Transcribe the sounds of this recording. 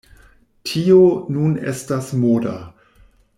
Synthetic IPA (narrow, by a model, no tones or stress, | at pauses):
tʰionunḛstasmoda̰